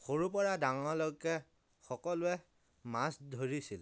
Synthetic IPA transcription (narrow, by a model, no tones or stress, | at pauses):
xoɹupɔɹadaŋɔlojkːɛ | xɔkɔlʊɛ | masdʱoɹisil